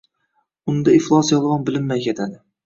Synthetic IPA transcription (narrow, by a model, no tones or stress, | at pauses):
ʊnd̪aɪflˠɑsjɒlˠʁɑnbɪlɪmːajkʲet̪ʰad̪ɪ